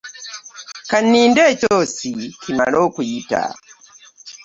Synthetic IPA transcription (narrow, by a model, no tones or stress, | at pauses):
kanːiːndecosikʰima̰loːkujita̰